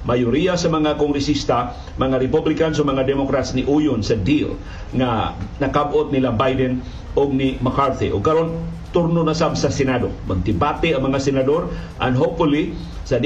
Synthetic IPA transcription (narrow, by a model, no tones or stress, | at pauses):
majʊɾijasɐmɐŋakoŋɡɾɛsist̪a | mɐŋaɾɛpublɪkansomɐŋad̪ɛmokɾat̪snɪʔujʊnsɐd̪il | ŋanɐkabʔot̪̚nɪlabajd̪ɛn | oɡ̚nimakaɾt̪ḭʔoɡ̚kɐɾon | t̪uɾnonasamsɐsɛnad̪o̰mɐɡ̚d̪ɪbat̪ɛɐŋmɐŋasɛnad̪oɾ | ʔɐ̰ndɦopfʊli | sɐ